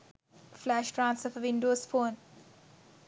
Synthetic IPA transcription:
flæʃʈɾãːnsɔfəʋɪ̃ɳɖoːsfoːn

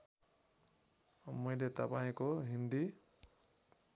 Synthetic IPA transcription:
mujdet̪apaĩkɔɦind̪i

